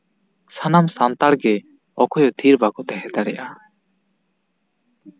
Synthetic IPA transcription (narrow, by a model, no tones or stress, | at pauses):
sanamsant̪aɽɡɛ | ɔkɔjɔd̪ʱiɾbaɡɔt̪ɛɦɛt̪aɾɛʔa